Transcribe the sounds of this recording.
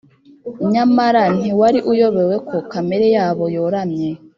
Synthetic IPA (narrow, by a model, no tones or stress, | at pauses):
ɲamaɾan̥iwaɾiʔujoβewekʰo̞kameɾejaːβo̞joɾamɲe